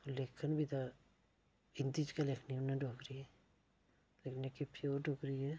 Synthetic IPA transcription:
olekʰənbʱit̪a | ɪnt̪it͡ʃkalekʰniʊnːãɖʱoːkɾiɛ | lekʰnekipʰioːɾɖoːkɾiɛ

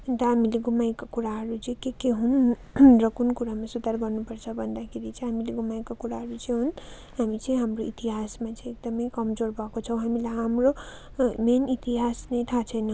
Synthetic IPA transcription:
t̪ʌɦamileɡumajkakuɾaɦʌɾut͡siĩkekeɦun | rʌkunkuɾamasud̪aɾɡʌɾnupʌɾt͡sʰʌbʱʌnd̪akʰeɾit͡sĩɦamileɡumajkakuɾaɦʌɾut͡sĩɦun | ɦamit͡siĩɦamɾoit̪iɦasmat͡sĩek̚d̪ʌmʌjkʌmd͡zoɾbʱʌkot͡sʰʌ̃w̃ɦamilajɦamɾo | menit̪iɦasnejt̪ʰat͡sʰʌjnʌ

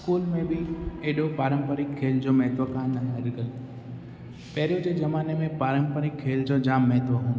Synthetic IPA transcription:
skuːlmẽbɪeːɗopaːɾə̃mpəɾɪkʰːeːld͡ʑoːmɛɦt̪ʋəkaːnnənɾɪɡəl | pɛɦɪɾijod͡ʑeːd͡ʒɐmaːnemẽpaːɾəmpəɾɪkʰːeːld͡ʑoːd͡ʑaːmːɛɦt̪ʋəɦũːn

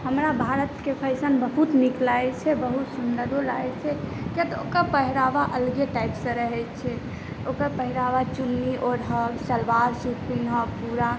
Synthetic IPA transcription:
həmɾabʱaɾət̪kepʰəɪsənbəɦut̪niklajt͡ʃʰɛbəɦut̪sund̪əɾd̪olaɛt͡ʃʰɛkjat̪ɔokəɾpəɦiɾaʋaʔəlɡeʈajpsə̃ɾəɦɛt̪t͡ʃʰɛ | okəɾpəɦiɾaʋat͡ʃunːiʔoɾɦəlsəlʋaɾsupinɦəpuɾa

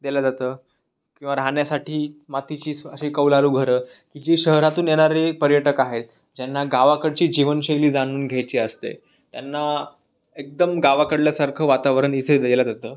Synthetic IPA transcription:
d̪elad͡zat̪əː | kĩw̃ʋaɾaɳjasaʈʰiːmat̪it͡ɕiːəɕekəʋlaɾuːɡʱəɾəː | kiːd͡ʑiɕəɦɾat̪uːnjeɽ̃aɾepəɾjəʈəkaɦet̪̚ | d͡ʑenːaɡaʋakəɽt͡ɕiːd͡ʑiʋənɕeliːd͡zaɽ̃uːnɡʱjajt͡ɕiːəst̪ḛ | t̪janːa | ek̚d̪əmɡaʋakəɽljasaɾkʰəːʋat̪aʋəɾəɳit̪ʰed̪elad͡zat̪əː

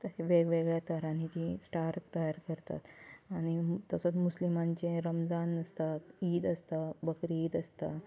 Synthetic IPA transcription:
t̪əɦeʋeɡʋeɡɭjat̪əɾanit̪isʈaɾtt̪ːəjaɾkəɾt̪a̰t̪aɽ̃it̪əsət͡smuslimaɲt͡ɕẽɾəmd͡zanəst̪at̪iːd̪əst̪abəkɾiiːd̪əst̪a

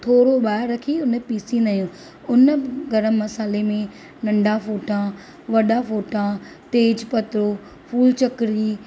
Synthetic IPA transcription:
t̪ʰoːɾoɓaːɪɾːɐkʰiʊnpiːsĩnd̪aːjũː | ʊnəɡɐɾəmːɐsaːlemẽ | nɐ̃ɳɖʱafoːʈã | ʋɐɗafoːʈãt̪eːd͡ʑpɐt̪ɪɾoː | fuːlt͡ɕɐkɾiː

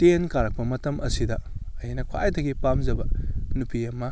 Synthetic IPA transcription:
tenkaɾɐk̚pɐmɐtɐmʔɐ̰sidɐɐjinɐkʰwa̰jdɐɡipamzɐbɐnupiɐmɐ

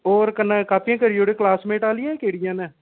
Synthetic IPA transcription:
oːɾkənəkaːpijãːkəɾijoːɽeːklaːsmẽːʈaːlɪjãkeːɽɪjãːnẽː

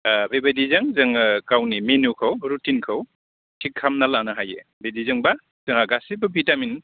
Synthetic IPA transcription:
bebadizɐŋzɐŋkawnimenukʰawɾutinkʰaw | tʰikʰːamnalanaɦajḛbedizɐŋba | zŋɡasibɐbʱitamin

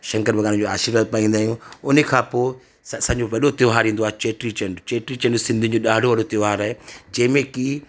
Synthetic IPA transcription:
ʃɐ̃ŋkəɾʋɐɡaːnɪ̃d͡ʑoaːʃɪɾʋad̪̚paːĩːnd̪aːɦjũʊnekʰãːpoːɪ | ssɐ̃ːɲd͡ʑoʋɐɗot̪ɪʋɦaːɾĩːn̆d̪oaːɦet͡ɕeːʈɾit͡ɕɐɳɖt͡ɕeːʈɾit͡ɕɐ̃ɳɖsɪ̃nd̪ʱɪ̃ɲd͡ʑoɗaːɖʱoʋɐɗot̪ɪʋɦaːɾaɦed͡ʑɐ̃ːɪ̃mẽki

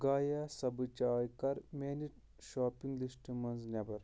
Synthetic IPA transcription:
ɡaːjaːsɐbɨt͡ʃaːjkɐɾmʲeːniʈ | ʃoːpiŋɡlisʈimɐnznʲɐbɐɾ

